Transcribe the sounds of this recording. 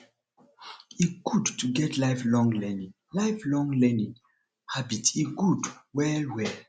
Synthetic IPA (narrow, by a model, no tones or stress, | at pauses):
iɡ̥udtuɡɛtʰlaɪflɔ̃ŋlɛ̃nĩŋ | laɪflɔ̃ŋlɛnĩŋ | habitiɡudwɛlwɛl